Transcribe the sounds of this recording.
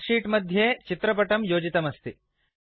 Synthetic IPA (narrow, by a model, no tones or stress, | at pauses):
ʂiːʈmɐd̪ʱjeːt͡ʃit̪ɾɐp̬ɐʈɐmjoːd͡ʒit̪ɐmɐst̪i